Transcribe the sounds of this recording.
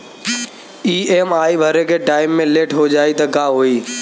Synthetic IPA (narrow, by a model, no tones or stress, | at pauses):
iːeːmaːibʱəɾekʰeːʈaːɪmːẽleːʈɦod͡ʒaːit̪ɐkaːɦoːiː